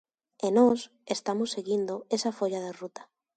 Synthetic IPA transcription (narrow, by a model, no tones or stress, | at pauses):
enos | est̪amosːeɣind̪oesafoʎaðerut̪ḁ